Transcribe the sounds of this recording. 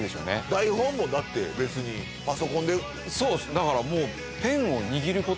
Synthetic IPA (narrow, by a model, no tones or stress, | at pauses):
d̪e̞sjo̰nḛd̪aihõmːo̞d̪at̪ːe̞̰be̞t͡sɨɲ̟i | paso̞kõ̞nd̪e̞ | so̞ːsd̪akaɾamo̞ː | t̪ẽ̞ɰ̃o̞ɲ̟iɡʲiɾɯ̟ko̞